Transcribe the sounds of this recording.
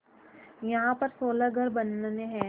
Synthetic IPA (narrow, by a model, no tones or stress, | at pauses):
jɐɦãpɐɾsoːləɡʱɐɾbɐnːneɦɛ̃